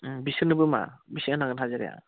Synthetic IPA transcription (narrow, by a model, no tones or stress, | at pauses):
bisɯnɯbɯma̰bisiŋanaɡɯnɦazɯɾḛja̰